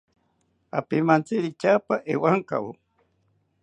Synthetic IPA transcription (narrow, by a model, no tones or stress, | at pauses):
a̰pimant͡siɾit͡ʃapaʔewaŋka̰wu